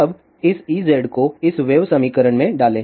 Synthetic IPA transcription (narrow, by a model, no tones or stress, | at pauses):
ɐb | ɪsiːzeːɖkoɪsʋeːʋsəmiːkəɾəɽmẽɖaːlẽː